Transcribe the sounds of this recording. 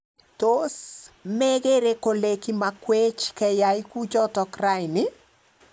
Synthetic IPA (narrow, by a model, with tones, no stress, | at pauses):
tosmɛ˦ɣe˦ɾe˦ko˨le˨ki˦makwe˦t͡ʃkɛ˨jajku˦t͡ʃɔ˦tɔ˨kra˦ɪnɪ˦